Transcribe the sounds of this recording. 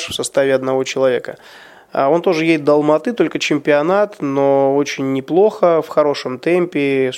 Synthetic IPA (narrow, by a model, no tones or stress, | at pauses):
ʂfsɐst̪avʲɪɐd̪nɐvo̞t͡ɕɪlˠɐvʲe̞kə̰ | o̞nt̪o̞ʐɨjesʲt̪d̪əlˠmɐt̪ɨt̪o̞lʲkət͡ɕɪmʲpʲɪɐnat̪no̞ot͡ɕɪnʲːɪplˠo̞xəfxɐɾo̞ʂɨmt̪ɛmʲpʲɪ